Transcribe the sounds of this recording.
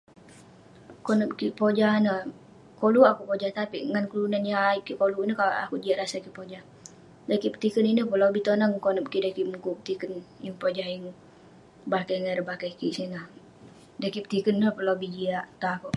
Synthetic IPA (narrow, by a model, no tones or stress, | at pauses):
konəp̚kipod͡ʒahnə | koluʔakupod͡ʒaht̪apiʔŋankəlunanjaikikoluʔnəkaʔakud͡ʒiaʔɾasakipod͡ʒah | dakipə̥t̪ikəninəpəlawbit̪onaŋkonəp̚kidakimukupət̪ikənjəŋpod͡ʒahjəŋ | bakajŋaɾəbakajkiʔsinah | dakipə̥t̪ikənːəpəlawbid͡ʒiaʔt̪akoʔ